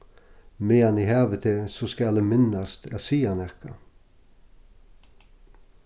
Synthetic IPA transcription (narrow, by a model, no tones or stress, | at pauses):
meːɑniːhæːʋət̪ʰesoːskɑld̪eːmɪnɑst̪ʰæsiːɑnɛʁkɑ